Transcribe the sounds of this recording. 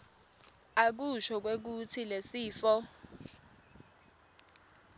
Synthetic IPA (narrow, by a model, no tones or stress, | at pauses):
ak̬uʃɔk̬wek̬ut͡sʰilesiːfɔ